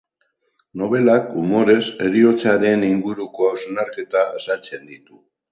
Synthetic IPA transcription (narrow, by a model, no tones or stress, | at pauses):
no̞β̞e̞lakumo̞ɾe̞se̞ɾio̞t͡saɾe̞niŋɡuɾuko̞awznaɾke̞t̪aesat͡se̞nd̪it̪u